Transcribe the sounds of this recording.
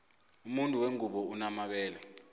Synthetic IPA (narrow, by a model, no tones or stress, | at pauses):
umuntʼuweŋʱuɓɔunamaɓɛːlɛ